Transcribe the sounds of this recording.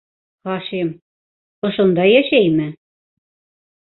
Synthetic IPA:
ɑʃem | ŏʃɤ̆nd̪ɑjæʃæjmɘ̆

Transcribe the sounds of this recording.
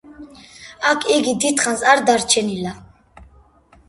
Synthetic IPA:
akʰiɡid̪it̪χansaɾd̪aɾt͡ʃʰɛnila

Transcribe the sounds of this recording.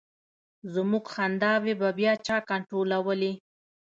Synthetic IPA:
zmuɡxand̪ɑwebabjɑt͡ʃɑkaɳʈɾolawəli

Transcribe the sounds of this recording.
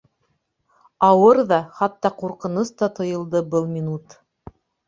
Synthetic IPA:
ɑwɤɾðɑχɑt̪ːɑquɾqɤ̆nost̪ɑt̪ŏjɤ̆lˠd̪ɤbɤlˠmʲinut̪

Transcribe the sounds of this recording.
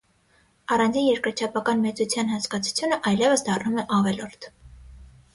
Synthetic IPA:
ɑrɑnd͡zinjɛɾkəɾt͡ʃʰɑpɑkɑnmɛt͡sut͡sʰjɑnɦɑnt͡skɑt͡sʰu̥t͡sʰjunəʔɑjlɛvəsd̪ɑrnumɛʔɑvɛlɔɾt̪ʰ

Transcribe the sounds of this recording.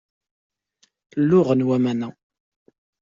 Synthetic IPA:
lːʊʁənwæmænæ

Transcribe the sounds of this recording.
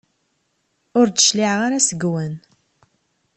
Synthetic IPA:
ʊɾt͡sə̥ʃliʕʁaɾasəɡwən

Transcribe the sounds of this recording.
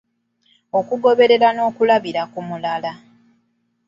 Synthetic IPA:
o̞kuɡo̞βe̞ɾe̞ɾano̞ːkulaβiɾakumulala

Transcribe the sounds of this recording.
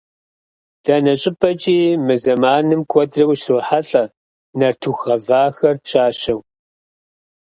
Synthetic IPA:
d̥ɐnɐɕʼɪpʰʼɐt͡ʃʼiːmɨzɐmaːnɨmkʷʰɔdrɐwʷʃroːħaɬʼɐ | nɐrtʰuxɐvaːxɐrɕʼaːɕɐw

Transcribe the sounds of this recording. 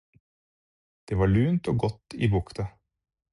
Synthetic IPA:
d̪̥eːʋɑːɭʉːnt̪oːɡɔt̪ːḭːbʊkt̪ʰɑ

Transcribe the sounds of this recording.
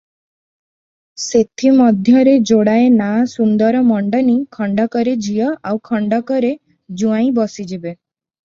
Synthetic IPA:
set̪ʰimɔd̪ʱjɔɾed͡ʒoɽaenasund̪ɔɾɔmɔɳɖɔnikʰɔɳɖɔkɔɾed͡ʒijɔʔawkʰɔɳɖɔkɔɾe | d͡ʒuãĩbɔsid͡ʒibe

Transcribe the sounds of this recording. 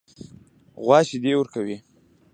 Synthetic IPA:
ɣwɑʃid̪ewəɾkawi

